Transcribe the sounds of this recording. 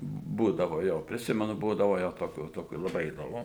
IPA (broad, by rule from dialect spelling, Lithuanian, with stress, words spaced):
ˈbuːdɐʋoː ˈjoː pʲrʲɪˈsʲɪmʲɛnʊ ˈbuːdɐʋoː jɛʊ toːˈkʲuː toːˈkʲuː lˠɐˈbɐɪ iːdoːˈmʊ